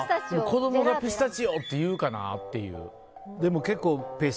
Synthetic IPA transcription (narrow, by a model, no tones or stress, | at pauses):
d̪emoko̞d̪o̞mo̞ɡapesɨ̥t̪at͡ɕijoːt̪ːe̞jɯːkana̰t̪ːe̞jɯ̟̰ː | d̪e̞mo̞ke̞kːo̞ːpes